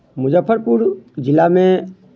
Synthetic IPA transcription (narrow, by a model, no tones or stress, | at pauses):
mʊd͡ʒəpʰːəɾpuɾd͡ʒɪlamẽ